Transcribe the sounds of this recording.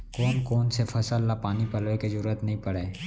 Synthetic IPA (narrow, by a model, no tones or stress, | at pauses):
kɔːnkɔːnsefʰɐsəlːapaːnipɐlʋekezɐɾuːət̪nɐɦĩpɐɽeː